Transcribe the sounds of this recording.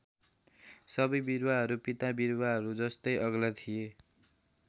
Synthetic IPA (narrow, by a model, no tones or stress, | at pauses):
sʌbʌjbiɾwaɦʌɾupit̪abiɾwaɦʌɾud͡zʌst̪ʌjʔʌɡlat̪ʰije